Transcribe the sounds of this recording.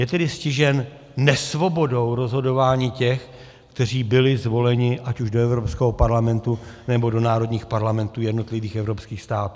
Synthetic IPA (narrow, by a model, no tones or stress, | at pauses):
jɛt̪ɛdɪscɪʒɛnː | ɛsvo̞bo̞do̞wɾo̞zɦo̞do̞vaːɲiːcɛx | kt̪ɛr̝iːbɪlɪzvo̞lɛɲɪʔacuʒdoɛvɾo̞pskɛɦopaɾlamɛnt̪unɛbo̞do̞naːɾo̞dɲiːxpaɾlamɛnt̪uːjɛdno̞t̪lɪviːxɛvɾopskiːxst̪aːt̪uː